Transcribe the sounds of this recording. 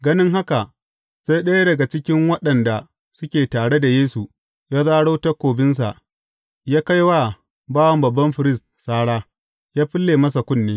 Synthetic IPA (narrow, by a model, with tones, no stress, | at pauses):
ɡɐ˦nɪ˦ŋɦa˦ka˨ʔ | z̥a˦jɗɐ˦ja˦dɐ˨ɡa˨t͡ʃɪ˦kʲɪ˦ŋwɐ˦ɗɐ˨nda˨ | sʊ˦kʲeː˨taː˨ɽe˦da˨jeː˦su˨ | jaː˦zaː˦ɽoː˦ta˦kʷoː˨bɪ˦ns̬a̰˨ʔ | jaː˦ka˦jwa˦˨ | baː˦wɐ˦mbɐ˨bːɐ˦mɸɪ˨ɾɪ˦˨stsaː˦ɽaː˦ | jaː˦ɸɪ˦lːeː˨mɐ˦s̬a˨kʷʊ˦nːeː˦